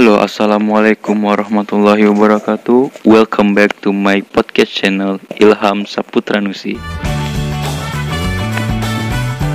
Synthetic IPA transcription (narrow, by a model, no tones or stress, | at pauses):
aloʔa̰salamalekumwaɾɑhmat̪ulːaɦiwabəɾakat̪uwɛlkʰambɛk̚tumajpɔd̪̚kɛst͡ʃɛnɛlilɦamsaput̪ɾanusḭ